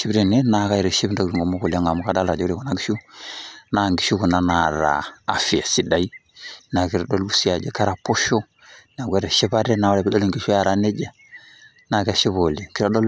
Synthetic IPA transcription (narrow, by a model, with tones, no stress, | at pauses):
ʃi˦bɾe˨ne˦na˨˦ka˦i˨ɾe˨ʃi˦bnda˦ɡɾu˨ŋɡo˨mo˦ku˨la˦ŋa˨mu˦ka˦da˦la˨d͡ʒo˦ɾi˨ku˨na˦ɡi˦ʃu˦na˨ŋɡi˦ʃu˦ku˨na˦na˨ɾa̰ː˨fi˨a˨si˨da˨i˦ | na˨ki˨ɾa˨do˦lu˦si˦a˨d͡ʒe˦ka˦ɾa˨po˦ʃo˦ | na˨ɡʷe˦ɾe˨ʃi˦ba˦ɾe˦na˨wa˦le˨bi˦do˦li˦ŋɡi˦ʃu˦ja˨ɾa˦ne˦d͡ʒa˦ | na˨ke˨ʃi˦bo˨li˨ki˦ɾa˨do˦